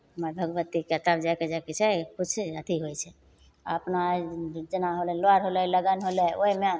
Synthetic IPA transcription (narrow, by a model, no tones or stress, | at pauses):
maɾbʱəɡʋət̪ːiket̪abd͡ʒaked͡ʒaket͡ʃʰekʊt͡ʃʰət̪ʰiɦoit͡ʃʰe | a̰pnad͡ʒənaɦoleloaɾɦoleləɡanɦoleoema